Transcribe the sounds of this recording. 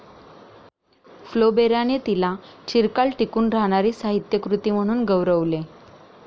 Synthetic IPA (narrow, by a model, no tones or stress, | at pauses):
flobeɾjanet̪ilat͡ɕiɾkalʈikuːnɾaɦɽ̃aɾiːsaɦit̪jəkɾut̪iːm̤əɽ̃uːnɡəʋɾəʋle